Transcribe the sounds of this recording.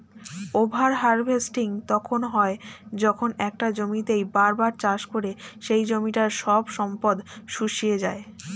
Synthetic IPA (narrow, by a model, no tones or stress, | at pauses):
obʱaɾɦaɾbʱesʈiŋt̪ɔkʰonɦɔed͡ʑɔkʰonɛk̚ʈad͡ʑomit̪ejbaɾbaɾt͡ɕaʃkoɾeʃejd͡ʑomiʈaɾʃɔbʃɔmpod̪ʃuʃijed͡ʑae